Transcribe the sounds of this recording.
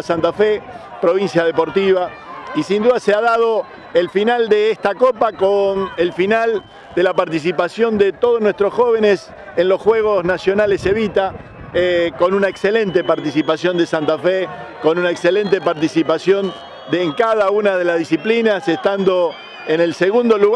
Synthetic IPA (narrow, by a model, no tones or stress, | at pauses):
sant̪afe | pɾo̞βinsjaðepo̞ɾt̪iβa | isind̪uðaseaðað̞o̞ | elfinald̪eest̪ako̞pakonelfinal | d̪elapaɾt̪is̬ipasjo̞nd̪et̪oð̞onwe̞st̪ɾo̞sxo̞βe̞nes | enlo̞sxwe̞ɣo̞snasjo̞nalese̞βit̪a | ko̞nunaekse̞le̞nt̪e̞paɾt̪isipasjo̞nd̪esant̪afe | ko̞nunaekse̞le̞nt̪e̞paɾt̪isipasjon | d̪eŋkaðaunaðe̞lazðisiplinasest̪and̪o̞ | ene̞lseɣũnd̪o̞luɣ